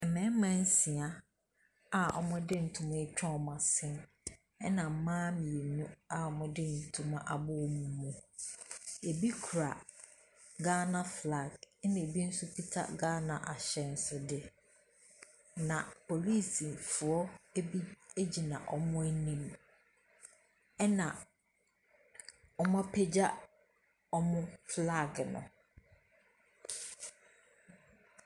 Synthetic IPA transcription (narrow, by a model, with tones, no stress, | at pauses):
ɛ˨mɛ̃˦mã˦n̩˦si˨a˦ | a˨ɔ̰˨mʊ̃˦dɪ˦n̩˨tʰũ˨mã˦e˦t͡ɕᶣa˦˨mã˨sɪ̃˦n | ɛ˦nã˨m̩˨˦mãː˦mĩ˨e˨nũ˦a˨ɔ˨mʊ̃˦dɪ˦n̩˨tʰũ˨mã˦ʔa˨bʊ˦˨mũ˨mũ˨ | e˨bi˦kʰu˨ɾa˨ | ɡaː˦na˦fla˨ɡɛ˦nɪ̃˨e˨bi˦n̩˦sʊ˦pi˦tʰa̰˦ɡaː˦na˨ʔa˨ɕɛ˦n̩˨˦sʊ˦dɪ˦ | nã˨pʰo˨li˦˨si˨fʊ˨ɔ˦bi˦e˦d͡ʑi˨nã̰˨ʔɔ˨mʊ̃˦æ˦nĩ˦m | ɛ˦nã˨ | ɔ˨mã˦pʰe˦d͡ʑa˦ | ɔ˦mʊ̃˦fla˦˨ɡnʊ̰̃˨